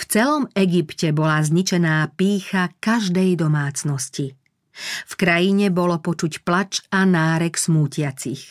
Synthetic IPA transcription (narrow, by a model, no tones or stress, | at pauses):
ft͡sɛlɔmɛɡipcɛbɔlazɲit͡ʃɛnaːpiːxakaʒd̪ɛjd̪ɔmaːt͡snɔsci | fkɾajiɲɛbɔlɔpɔt͡ʃucplat͡ʃanaːɾɛksmuːcɪat͡six